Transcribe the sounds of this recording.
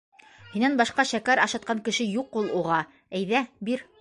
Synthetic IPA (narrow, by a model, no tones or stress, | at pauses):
hinænbɑʃqɑʃækæɾɑʃɑt̪̚qɑŋkɘ̆ʃɘjuqulˠuʁɑ | æjðæbiɾ